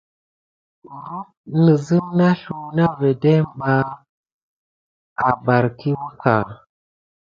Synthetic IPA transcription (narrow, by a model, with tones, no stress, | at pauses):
ɾu˦t̚nə˨zi˦ŋna˦ɬu˨na˦ve˨de˦m˨ba˦ | a˨ba˨ɾki˦wu˦ka˨